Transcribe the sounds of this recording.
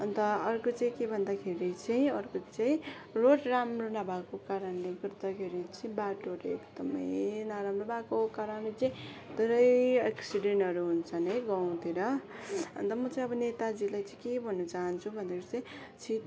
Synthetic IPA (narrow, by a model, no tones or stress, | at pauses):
ʌnt̪ʌːrkot͡saĩkebʱʌnd̪akʰeɾit͡saĩʌrkot͡saĩ | roʈramronabʱakokaɾʌnlekʌrt̪ʌkʰeɾit͡saĩbaʈoʈḛkd̪ʌmʌ̰jnaɾamrobakokaɾʌnlet͡saĩd̪̥ʱeɾʌjaksiɖeɳʈɦʌɾuɦunt͡sʰʌnɦʌjɡʌw̃t̪ʰiɾʌʌ̰nt̪ʌmʌt͡saĩʌbʌnet̪ad͡zilajt͡saĩkebʱʌnːʌt͡saɦʌnt͡sʰubʱʌnd̪eɾot͡saĩ | t͡sʰit̪